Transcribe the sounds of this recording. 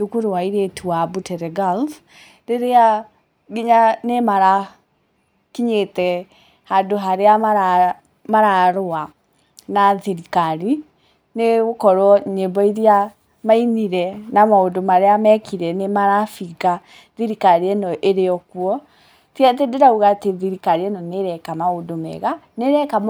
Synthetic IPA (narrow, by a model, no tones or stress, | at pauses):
dukuɾowaiɾetʰuabutɛɾɛɡal | ɾeɾea | ɡeɲanemaɾa | kiɲetɛ | hadoɦaɾeamaɾa | maɾaɾoa | naðiɾikaɾi | neɣokɔɾwɔɲebɔiɾia | mainiɾɛnamaondomaɾeamɛkiɾɛnemaɾafiɡa | ðiɾikaɾiɛnɔʔeɾeɔkwɔ | tiat̬edeɾauɣateðiɾikaɾiɛnɔneɾɛkamaodomɛ̰ɣaneɾɛka